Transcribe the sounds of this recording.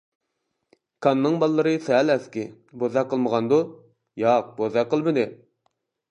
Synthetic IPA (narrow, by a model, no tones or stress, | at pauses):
kʰɑnːɨŋbɑlˠːəɾɨsɛlæskʲɪ | bozɑqʰːəlˠməʁɑnd̪u | jɑq̚bozɑqʰːəlˠmɨd̪ɪ